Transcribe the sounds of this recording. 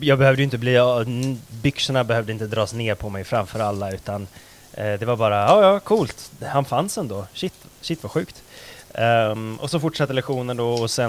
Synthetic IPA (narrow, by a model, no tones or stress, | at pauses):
jɑːɡbɛhœvd̪əʏɪnt̪əbliː | bʏksəɳabɛhœːvd̪əɪnt̪əd̪ɾɑːsneːɾpʰɔmɛjfɾamfœːɾalːaʉ̟ːt̪an | d̪ɛvaɾbɑːɾaɑːjɑːkʰuːlt̪hanfansɛnd̪oːɕɪt̪ːɕɪt̪ːvaɧʉ̟ːkt̪ | ɔsɔfʊʈʂat̪ːəlɛkɧuːnənd̪ɔɔsɛ